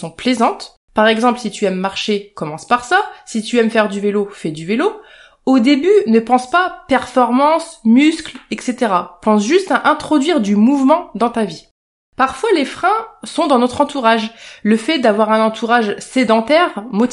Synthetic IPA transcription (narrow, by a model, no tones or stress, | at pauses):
sɔ̃plezɑ̃t̪ | paʁɛɡzɑ̃plsit̪yɛmːaʁʃekɔmɑ̃spaʁsasit̪yɛmfɛʁd̪yvelofɛd̪yvelo | od̪ebynəpɑ̃spapɛʁfɔʁmɑ̃smysklɛkset̪eʁapɑ̃sʒyst̪aʔɛ̃t̪χɔd̪ɥiʁd̪ymuvmɑ̃d̪ɑ̃t̪avi | paʁfwalefχɛ̃sɔ̃d̪ɑ̃nɔt̪χɑ̃t̪uʁaʒləfɛd̪avwaʁɛ̃nɑ̃t̪ʰuʁaʒsed̪ɑ̃t̪ɛʁmɔt̪